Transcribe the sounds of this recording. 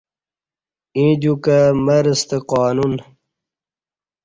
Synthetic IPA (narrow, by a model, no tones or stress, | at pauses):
ĩːd͡ʑukamɐɾəst̪eqaːnun